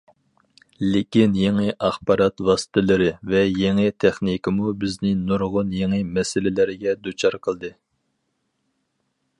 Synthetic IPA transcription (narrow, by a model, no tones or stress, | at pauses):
lɪkʲinjeŋɪʔɑχbɑɾɑt̪wɑsɨ̥t̪ʰɨlˠɨɾɨvɛjeŋɪt̪ʰɛχnikʲɪmubɪznɪnuɾʁʊnjeŋɨmɛsɪlɪlɪɾɪɡʲɛd̪ut͡ʃʰɑɾqʰəlˠd̪ɨ